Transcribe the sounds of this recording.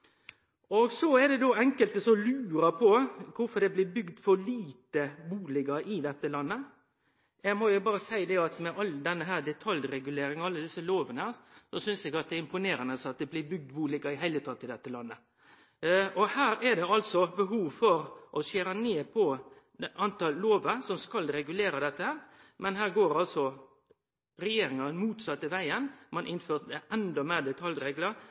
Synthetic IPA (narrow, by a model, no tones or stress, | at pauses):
ɔɡsɔɛd̪ɛd̪oːɛŋkəlt̪əsɔlʉːɾɑpʰɔkʰʊfɔɾd̪ɛblɪbʏɡd̪fɔɾliːt̪əbuːlɪɡɑʔɪd̪ɛt̪ːəlɑnːə | jɛɡmɔjʊbɑːɾəsæɪd̪ɛɑt̪mɛʔɑlːd̪ɛnːəɦæːɾd̪ɛt̪ʰɑljɾɛɡʉleːɾɪŋɑlːəd̪ɪsəloːʋənəæsɔsʏnsɛɡɑt̪̚d̪ɛæɪmpʊneːɾɑnəsɑt̪̚d̪ɛblɪbʏɡ̚d̪buːlɪɡɑɾɪɦæɪlət̪ʰɑːt̪ːɪd̪ɛt̪ːəlɑnːə | ɔhæːɾɛd̪ɛɑlsɔbəɦuːʋfɔɾʔɔseːɾɑneːpʰɔ | ʔɑnt̪ɑlːoːʋəɾsɔmskɑlɾɛɡʉleːɾɑd̪ɛt̪ːəhæːɾmɛnhæːɾɡoːɾɑlsɔ | ɾɛjeːɾɪŋɑmuːt̪sɑt̪ːəʋæɪənmɑnʔɪnføːʁt̪d̪ɛʔɛnd̪ɔmeːd̪ɛt̪ʰɑljɾeːɡləɾ